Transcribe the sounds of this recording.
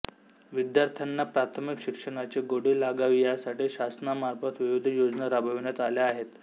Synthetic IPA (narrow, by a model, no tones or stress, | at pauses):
ʋid̪jaɾt̪ʰjanːapɾat̪ʰəmikɕikʂəɳ̃at͡ɕeɡoɽiːlaɡaʋijasaʈiːɕasnamaɾfət̪ʋiʋid̪ʱəjod͡znəɾabʱəʋɳjat̪aljaːɦet̪